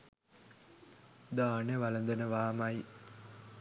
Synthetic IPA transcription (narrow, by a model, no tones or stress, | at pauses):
d̪aːnəʋɐlɐnd̪ənəʋaːmaj